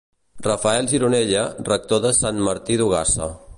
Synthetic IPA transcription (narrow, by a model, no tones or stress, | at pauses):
rəfəɛlˠʒiɾuneʎərək̚t̪oðəsanməɾt̪iðuɣ̞asə